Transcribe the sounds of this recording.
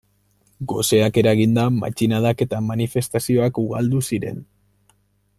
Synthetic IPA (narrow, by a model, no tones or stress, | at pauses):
ɡo̞se̞ake̞ɾaɣind̪ama̰t͡ʃinað̞ake̞t̪amanife̞st̪asio̞akuɣald̪usiɾe̞̰n